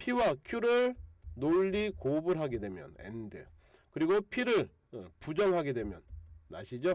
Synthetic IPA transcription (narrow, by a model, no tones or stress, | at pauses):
pʰiwakʰjuɾɯɭnoʎːikobɯɾɦaɡe̞dwe̞mjʌ̰nḛndɯ | kɯɾiɡopʰiɾɯɭ | pud͡ʑʌŋɦaɡe̞dwe̞mjʌ̰nːa̰ɕʰid͡ʑo